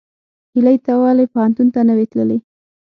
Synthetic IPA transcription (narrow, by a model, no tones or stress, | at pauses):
hilajt̪awɑlapʊhant̪unt̪anəwet̪lə̰le